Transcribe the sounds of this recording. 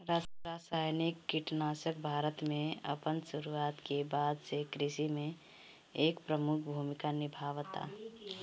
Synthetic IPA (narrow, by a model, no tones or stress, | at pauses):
ɾaɾaːsaːjnikːiʈnaːsəkbʱaːɾət̪mẽə̰pənsuɾuaːt̪kebaːd̪sekɾɪsimẽ | eːkpɾəmʊkʰbʱumɪkanɪbʱaːʋt̪a̰